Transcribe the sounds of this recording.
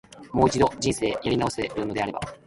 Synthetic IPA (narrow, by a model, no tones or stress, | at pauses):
mo̞ːit͡ɕid̪o̞d͡ʑĩɰ̃se̞ːjaɾʲinao̞seɾɯno̞d̪e̞aɾe̞ba̰